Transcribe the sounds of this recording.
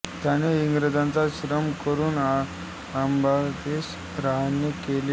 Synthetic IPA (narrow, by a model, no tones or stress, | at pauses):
t̪janeiŋɡɾəd̪ãnt͡saɕɾəmkəɾuːna | ambʱates | ɾaɦanːekele